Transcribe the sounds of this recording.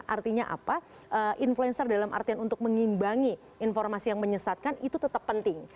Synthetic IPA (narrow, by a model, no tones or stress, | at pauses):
ʔa̰rt̪iɲaʔa̰pa | ʔəʔinfluɛnsərdalamʔa̰rt̪ianunt̪ʊk̚məŋimbaŋi | ʔːnfɔrmasijaŋməɲəsat̪̚kanit̪ut̪ət̪əpːənt̪ɪŋ